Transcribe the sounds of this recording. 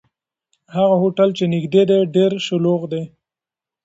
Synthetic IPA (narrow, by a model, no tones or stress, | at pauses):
haɣaɦoʈalt͡ʃenɪɡd̪ed̪eɖeɾʃʊloɣd̪e